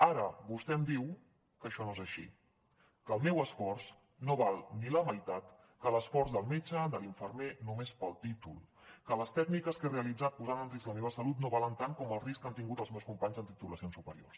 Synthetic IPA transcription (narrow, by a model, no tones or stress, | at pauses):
aɾəβust̪ɛmd̪iw | kəʃɔnoezəʃḭ | kəlˠmɛwəsfɔɾs | noβalˠniləməjt̪at̪ | kələsfɔɾzðəlˠmet͡ʃəd̪əliɱfəɾmenumespəlˠt̪it̪ṵlˠkələst̪ɛɡnikəskereəlid͡zat̪̚puzanənriskləmeβəsəlut̪noβalənt̪aŋkɔməlˠriskant̪iŋɡut̪əlˠzmewskumpaɲzənt̪it̪uləsionsupəɾio̰rs